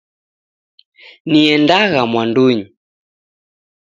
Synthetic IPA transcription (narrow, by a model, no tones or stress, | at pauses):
niɛndaɣamwanduɲi